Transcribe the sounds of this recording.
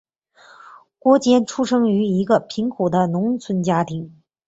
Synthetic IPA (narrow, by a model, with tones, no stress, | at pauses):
kwɔ˥t͡ɕjɛ˥nʈ͡ʂʰu˥ʂɤ˥ŋy˧˥i˧˥ɡə˧pʰi˧˥ŋkʰu˨˩d̪ə˦nʊ˧˥ŋt͡sʰwə˥nt͡ɕja˥t̪ʰi˧˥ŋ